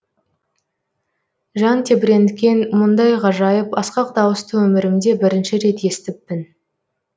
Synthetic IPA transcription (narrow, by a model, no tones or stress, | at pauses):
ʒɑnt̪ʰe̞bɪɾe̞nd̪ɪkʲe̞nmʊnd̪ɑjʁɑʒɑjəpɑsqɑq̚d̪ɑwəst̪əwɵmɪɾɪmd̪e̞bɪɾɪnʃɪɾe̞t̪je̞st̪ɪpːɪn